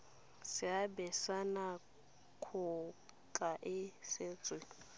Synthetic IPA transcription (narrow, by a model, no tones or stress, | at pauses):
sɪabɛsana | kʰʊ | kʼaʔɪsɪt͡sʼwɪ